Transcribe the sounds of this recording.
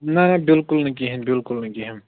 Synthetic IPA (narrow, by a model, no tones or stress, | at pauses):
nɐnɐbɪlkʊlnɐkiɦĩmbɪlkʊlnɐkiɦĩm